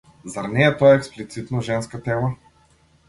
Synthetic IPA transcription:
zaɾnɛɛt̪ojaɛksplit̪sit̪noʒɛnskat̪ɛlˠa

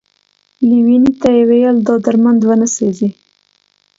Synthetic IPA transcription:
liwinit̪ajewejəld̪ɑd̪aɾmand̪wənəsezi

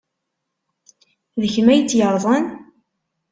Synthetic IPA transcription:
ðəçmæjət͡sːjəɾˤðˤən

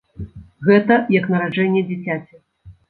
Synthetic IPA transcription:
ɣɛt̪ɐjɐknɐɾad͡ʐɛnʲːɛd͡zʲit͡sʲat͡sʲɛ

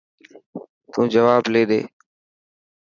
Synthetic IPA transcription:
t̪ũːd͡ʒəʋaːbleːɗḛː

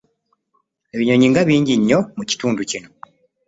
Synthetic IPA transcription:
e̞βiɲo̞ɲiːŋɡaβiːɲɟiɲːo̞muci̥tuːnducino̞

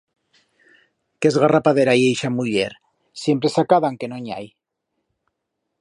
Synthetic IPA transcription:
kezɣarapaðeɾaiejʃamuʎḛɾ | sjempɾesakaðaŋkenoɲa̰j

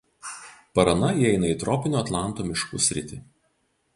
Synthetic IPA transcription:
pɐɾɐnɐiɛɪnɐiˑt̪ɾɔpʲɪnʲuːɐt̪lˠɑˑnˑt̪oːmʲɪʃkʊ̰sʲɾʲɪ̰t̪ʲɪ

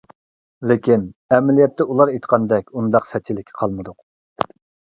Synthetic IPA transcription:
lekʲinɛmɛlijɛt̪ʰːɛulˠɑɾet̪ə̥qʰɑnd̪ɛkʲund̪ɑqsɛt̪̚t͡ʃʰːilɪkʲʰɪ̥qʰɑlˠmɨd̪ʊq

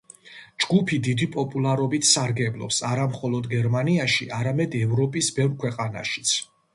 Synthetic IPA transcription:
d͡ʒɡupʰid̪id̪ipʼɔpʼulˠaɾɔbit̪ʰsaɾɡɛblˠɔ̰psaɾamχɔlˠɔd̪ɡɛɾmaniaʃiʔaɾamɛd̪ɛvɾɔpʼisbɛvɾkʰwɛqʼana̰ʃi̥t̪sʰ

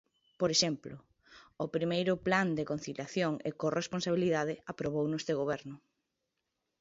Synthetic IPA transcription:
poɾeʃɛmplʊː | pɾimejɾʊpland̪ekon̟θiljaθjoŋḛkoresponsaβiliðaðɪapɾoβownoest̪eɣoβɛɾnʊ

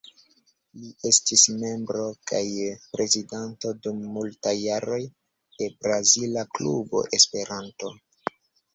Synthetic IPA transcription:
liʔe̞stisme̞mbɾo̞kajpɾʔe̞zidanto̞dumːultajːaɾo̞j | d̥e̞bɾazilaklṵbo̞̰ʔe̞spe̞ɾanto̞

